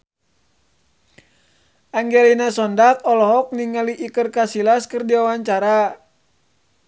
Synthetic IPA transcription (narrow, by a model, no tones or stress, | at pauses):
aŋɡɛlinasɔndak̚ɔlɔɦɔk̚niŋaliʔːkərkasilaskɨrdiwawaɲt͡ʃaɾa